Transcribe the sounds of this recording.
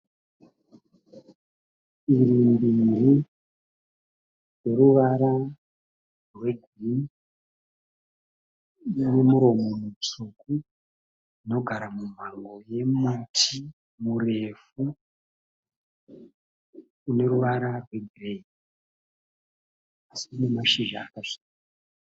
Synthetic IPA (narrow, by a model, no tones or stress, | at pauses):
iɾimbiɾi | we̞ɾuʋaɾa | rwe̞ɡʱ | ri | ine̞muɾo̞momut͡suku | ino̞ɡʱaɾamum̤aŋɡo̞je̞mutʰi | mure̞fu | ne̞ɾuʋaɾarwe̞ɡʱre | asiune̞maʃiʒa̰ːkasi̥ːka